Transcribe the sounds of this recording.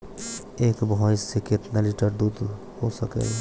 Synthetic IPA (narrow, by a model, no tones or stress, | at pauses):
ekbʱɔjseket̪naliʈəɾd̪ud̪ | posəkḛl